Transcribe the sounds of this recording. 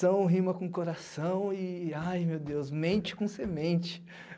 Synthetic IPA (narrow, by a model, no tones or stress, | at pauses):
ɐ̃w̃ɦĩmɐkõkoɾasɐ̃w̃ɪajmewd̪ewsmẽnt͡ʃɪ̥kõsemẽnt͡ʃɪ̥